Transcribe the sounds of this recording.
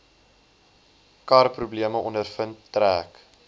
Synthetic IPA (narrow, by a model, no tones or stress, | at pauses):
kɑrprubliəməʔɔndərfənttræːk